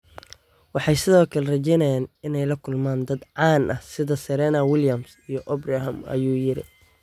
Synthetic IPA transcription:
wɑħɑjsɪðɔːkʰɐlɛrɐt͡ʃɛjnɐjaːnɪnɛjlɐkʰʊlmaːnd̪ɐd̪ʕɑːnʔɐhsɪðɐsɪɾɛːnɐwɪljɐmsijɔʔɔbraɦɐmɐ̰juːjɪɾɪ̰

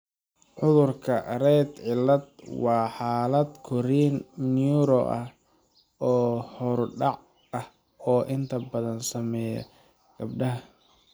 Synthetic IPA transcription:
ʕʊðʊrkʰɐrɛːd̪ʕɪlːɐd̪̚wɑːħaːlɐd̪kʰɔɾiːnnuɾɔʔɐh | ɔːhɔrɖɑʕ | ɐh | ɔːʔɪnt̪ʰɐbɐðɐnsɐmɛːjɐ̰ | ɡ̥ɐbɖɐɦɐ

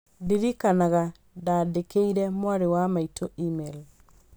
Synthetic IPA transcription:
diɾikanaɣa | dadekeiɾɛmwaɾewamaitʰoimel

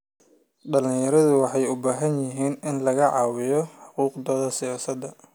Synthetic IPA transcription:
ɖɐlɪ̃jɐɾɐðʊwɑħɑjʊbaːɦɐnjɪɦiːnɪnlɐɣɐʕɑːwɪjɔħɑquːqd̪ɔːðɐsɪjaːsɐd̪ɐ

